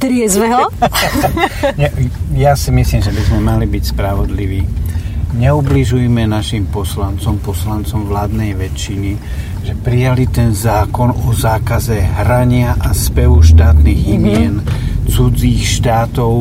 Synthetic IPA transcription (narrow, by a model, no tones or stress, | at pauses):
t̪ɾɪɛzʋɛɦɔ | ɲɛjasimisliːmʒɛbizmɛmalibicspɾaʋɔd̪liʋiːɲɛubliʒujmɛnaʃimpɔslant͡sɔmpɔslant͡sɔmʋlaːd̪nɛjʋɛt͡ʃːini | ʒɛpɾijalit̪ɛnzaːkɔnɔzaːkazɛɦɾaɲɪaʔaspɛʋuʃt̪aːt̪niːɣimɪɛnt͡sud͡ziːxʃt̪aːt̪ɔʊ